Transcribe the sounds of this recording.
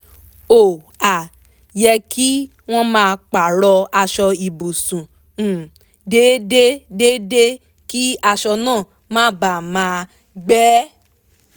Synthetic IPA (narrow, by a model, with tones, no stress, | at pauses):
o˨ | a˨ | jɛ˧ki˦ | w̃ɔ̃˦mãː˧k͡pa˨ɾɔ˧a˧ʃɔ˧i˨bu˨sũ˨ | de˦de˦de˦de˦ | ki˦a˧ʃɔ˧nãː˦˨ | mãː˦ba˨mãː˨˦ | ɡ͡bɛ˦